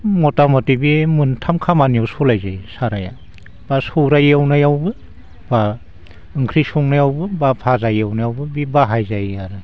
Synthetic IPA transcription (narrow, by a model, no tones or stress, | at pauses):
mɔtamɔtibimɯntʰamkʰamanijawsɔlajzajsaɾaja̰ | b̥asɔwɾajawnajawbɯ | ba | ɯŋkʰɾisuŋnajawbɯbapʰazajawnajawbɯbibaɦajzajaɾɯ